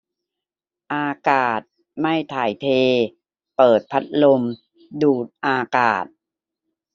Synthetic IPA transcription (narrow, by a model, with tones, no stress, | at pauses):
ʔaː˧kaː˨˩t̪̚ | ma˥˩jt̪ʰaː˨˩˦jt̪ʰeː˧ | pɤː˨˩t̪̚pʰa˦˥t̪̚lo˧m | duː˨˩t̪̚ʔaː˧kaː˨˩t̪̚